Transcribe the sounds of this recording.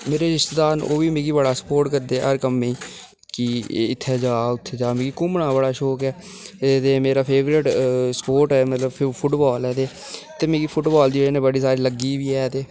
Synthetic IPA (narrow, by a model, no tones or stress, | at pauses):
meːɾeːɾɪst̪d̪aːno̰ːʋiːmẽːɡiːbəɽaːsə̥poːɾʈkəɾd̪eɛɦəɾkəmẽː | kiɪt̪ʰːɛːd͡ʒaːʊt̪ʰːeːd͡ʒaːmẽːɡiːkʊmɳaːbəɽaːʃoːkɛː | t̪eːmeːɾaːpʰeːʋɾɪʈsəpoːɾʈɛːmət̪ləbʰpʰʊʈbaːlɛːt̪eː | t̪eːmẽːɡiːpʰʊʈbaːld͡ʒeːɽeːnẽːbəɽiːsaːɾiːləɡiːʋiːɛːt̪eː